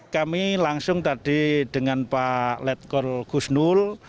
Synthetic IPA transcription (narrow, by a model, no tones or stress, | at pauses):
kamilaŋsʊŋt̪aɖ̥i̤ɖ̥əŋanpalɛt̪̚kɔlkusnul